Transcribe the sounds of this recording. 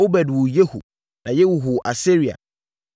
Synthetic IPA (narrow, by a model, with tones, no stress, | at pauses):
o˦bɛ˨dwʊ˨je˦hṵ˨ | nã˨jɛ˦wu˨ɦʊ˨ʔa˨si˦ɾi˨a̰˨